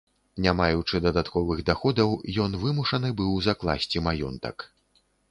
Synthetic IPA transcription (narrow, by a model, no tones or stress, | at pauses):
nʲamajut͡ʂɨd̪ɐd̪at̪kɔvɨɣd̪axɔd̪ɐwjɔnvɨmuʂɐnɨbɨwzaklˠa̰sʲt͡sʲimajɔ̰nt̪ɐ̰k